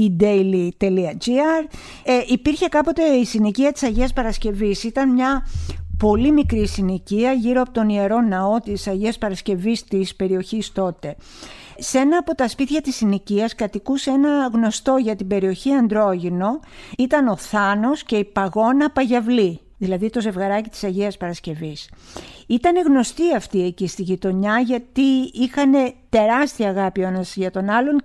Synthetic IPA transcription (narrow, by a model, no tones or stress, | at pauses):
id̪ejlit̪e̞liɐd͡ʒiɐɾ | eʔipiɾçe̞kɐpo̞t̪e̞isineciɐt̪i̥sɐʝeɐspɐɾɐsce̞visit̪ɐnmɲɐpo̞limikɾisineciɐʝiɾo̞ɐpo̞t̪onie̞ɾo̞nɐo̞t̪isɐʝiɐspɐɾɐsce̞vist̪ispe̞ɾio̞çist̪o̞t̪e̞ | se̞nɐːpo̞t̪ɐspit̪çɐt̪isiniciɐskɐt̪ikuse̞nɐɣno̞st̪o̞ʝɐt̪ibe̞ɾio̞çiɐnd̪ɾo̞ʝino̞it̪ɐno̞θɐno̞sce̞ipɐɣo̞nɐpɐʝɐvli | ðilɐðit̪o̞ze̞vɣɐɾɐcit̪i̥sɐʝiɐspɐɾɐsce̞visit̪ɐne̞ɣno̞st̪iɐft̪ie̞cist̪iʝit̪o̞ɲɐʝɐt̪iixɐne̞t̪e̞ɾɐst̪iɐɣɐpionɐsʝɐt̪o̞nɐlo̞ŋ